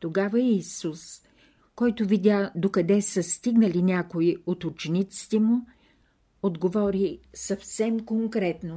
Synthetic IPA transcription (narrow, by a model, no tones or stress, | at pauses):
t̪oɡavəːsus | kɔjt̪ʊvid̪ʲad̪okɐd̪ɛsəst̪iɡnəlinʲakoiot̪ʊt͡ʃɛnit̪si̥t̪ɛmʊ | od̪ɡovɔɾisɐfsɛmkoŋkɾɛt̪no